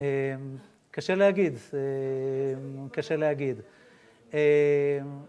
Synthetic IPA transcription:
em | kaʃelehaɡid̪e | mkaʃeleaɡid̪ | e

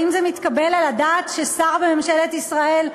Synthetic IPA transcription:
imzemit̪kabe̞lalad̪aːt̪ʃesaʁbeme̞mʃelet̪isʁae̞l

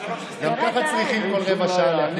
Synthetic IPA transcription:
ɡamkaχat͡sʁiχimkolʁemaʃaːlan

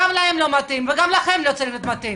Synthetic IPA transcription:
amlaemlo̞mat̪imveɡamlaχemlot͡salimot̪mat̪im

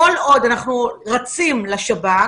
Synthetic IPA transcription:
olo̞d̪anaχnuʁat͡simlaʃaba

